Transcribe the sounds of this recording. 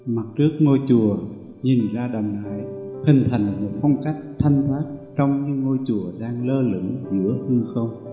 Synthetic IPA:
ma˨˩t̚t͡ɕɨ˦˥ək̚ŋo˧jt͡ɕu˨˩ə | ɲi˨˩nzaː˧ɗa˨˩mnaː˨˩jhï˨˩ŋ̟t̪ʰa˨˩jŋ̟lmo˨˩t̚fɔ˧wŋ͡mka˦˥jk̚t̪ʰa˧jŋ̟t̪ʰwaː˦˥k̚t͡ɕɔ˧wŋ͡mɲɨ̰˧˥ŋːo˧jt͡ɕu˧˩əɗaː˧ŋləː˧lɨ̰˧˥ŋzɨ̰˧˥əhɨ˧xə˧wŋ͡m

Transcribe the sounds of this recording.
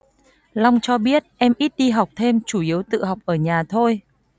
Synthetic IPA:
la˧wŋ͡mt͡ɕɔ˧ɓi˦˥ət̚ʔɛ˧mʔi˦˥t̚ɗi˧ɦa˨˩wk͡p̚t̪ʰe˧mt͡ɕu˧˩ʔi˨˦əwt̪ɨ̰˧˨ɦa˨˩wk͡p̚ʔəː˧˩ɲaː˨˩t̪ʰo˧j

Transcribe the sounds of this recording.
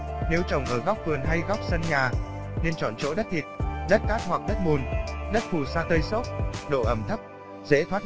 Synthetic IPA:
ne˨˦wt͡ɕə˨˩wŋ͡mʔəː˧˩ɣa˦˥wk͡p̚vɨ˨˩ənɦa˧jɣa˦˥wk͡p̚sə˧nɲaː˨˩ | ne˧nt͡ɕɔ̰˧˨nt͡ɕo̰˧˦˥ɗə˦˥t̚t̪ʰi˨˩t̚ɗə˦˥t̚kaː˦˥t̚ɦwa˨˩k̚ɗə˦˥t̚ɓu˨˩nɗə˦˥t̚fu˨˩saː˧t̪ə˧jso˦˥t̚ɗo̰˧˨ʔə˧˩mt̪ʰə˦˥p̚ | zḛ˧˥t̪ʰwaː˦˥t̚

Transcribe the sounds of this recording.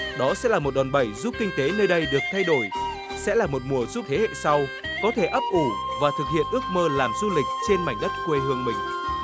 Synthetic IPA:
ɗɔ˨˦sɛ̰˧˥laː˨˩mo˨˩t̚ɗɔ˨˩nɓə˨˧˩jzu˦˥p̚kï˧ŋ̟t̪e˨˦nəː˧jɗə˧jɗɨ˨˩ək̚t̪ʰa˧jɗo˧˩j | sɛ̰˧˥laː˨˩mo˨˩t̚mu˨˩əzu˦˥p̚t̪ʰe˨˦hḛ˧˨sa˧w | kɔ˨˦t̪ʰe˧˩ʔə˦˥p̚ʔu˧˩vaː˨˩t̪ʰɨ˨˩k̚hḭ˧˨ənʔɨ˦˥ək̚məː˧laː˨˩mzu˧lï˨˩k̟̚t͡ɕe˧nma˨˩jŋ̟ɗə˦˥t̚kwe˧ɦɨ˧əŋmï˨˩ŋ̟

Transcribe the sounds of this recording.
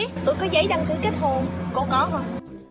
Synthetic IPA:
t̪o˧jkɔ˨˦zə̰˧˥jɗa˧˩ŋt̪ɨ˨˦keː˦˥t̚ho˨˩nko̰˧˥kɔ˨˦ɦo˧˩

